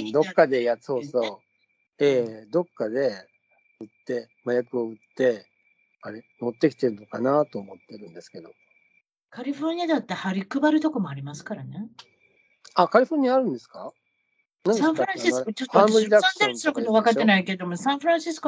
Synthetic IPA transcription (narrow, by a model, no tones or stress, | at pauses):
d̪o̞kːad̪e̞jasoːso | eːd̪o̞kːad̪e̞ | ɯ̟t̪ːe̞ | majakɯ̟oɯ̟t̪ːe̞ | aɾeno̞t̪ːe̞kʲi̥t̪e̞ɾɯ̟no̞kanat̪o̞ːmo̞t̪ːe̞ɾɯ̟̃nd̪e̞sɨ̥ke̞d̪o̞ | kaɾʲiɸo̞ɾɲ̟iad̪at̪ːehaɾʲikɯ̟baɾɯ̟t̪o̞ko̞mo̞aɾʲimasɨ̥kaɾane̞ | akaɾʲiɸoɾɲ̟iaɾɯ̟̃nd̪e̞sɨ̥ka | nãnsdãɸɯɾãɕikot͡ɕoth̪ãmbɯɾʲid̪aad̪nsɨɾokɯoβakat̪ːe̞naike̞d̪o̞mosãɰ̃ɸɯɾãɕisɨ̥ko